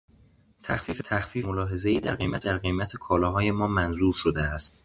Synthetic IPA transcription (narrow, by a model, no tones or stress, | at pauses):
t̪ʰæxfiːfet̪ʰæxfiːmolɒːɦe̞ze̞iːd̪æ̰ɾɢejmæ̰d̪æɾɢe̞jmæt̪ʰekʰɒːlɒːɦɒːje̞mɒːmænzuːɾʃod̪eæst̪